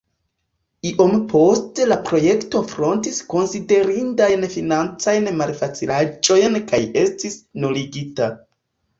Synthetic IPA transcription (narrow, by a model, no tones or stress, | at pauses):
iʔo̞mpʰo̞stelapɾo̞je̞kto̞fɾo̞ntisko̞nside̞ɾindajnfinant͡sajnmalfat͡silad͡ʒo̞jnkaje̞stisnuliɡita